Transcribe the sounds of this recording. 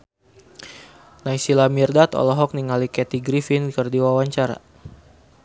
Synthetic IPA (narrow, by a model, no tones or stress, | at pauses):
naisilamirdat̪ɔ̰lɔɦɔk̚niŋalikɛt̪iɡɾifinkərdiwawaɲt͡ʃaɾa̰